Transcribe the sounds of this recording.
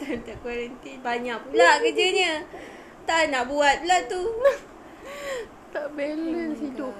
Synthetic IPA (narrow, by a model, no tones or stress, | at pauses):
t̪ant̪aʔkwaɾənt̪ibaɲãʔ̚blaʔkəd͡ʒəɲə̃ | t̪anaʔbuat̪̚blaʔt̪ːu | t̪abelənsit̪u